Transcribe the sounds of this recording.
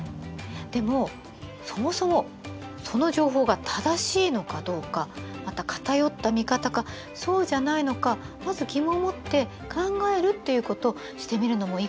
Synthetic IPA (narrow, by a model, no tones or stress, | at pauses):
d̪̥e̞mo̞ | so̞mo̞so̞mo̞ | so̞no̞ʑo̞ːɦo̞ːɡat̪ʰad̪aɕiːno̞kad̪o̞ːkamat̪akḁt̪ajo̞t̪ːamʲikat̪aɡa | so̞ːʑanaino̞ka | mazɨɡʲimo̞mo̞t̪ːe̞ | kãŋɡae̞ɾɯ̟t̪ːe̞jɯ̟ko̞t̪o̞ | ɕi̥t̪e̞mʲiɾɯ̟no̞mo̞i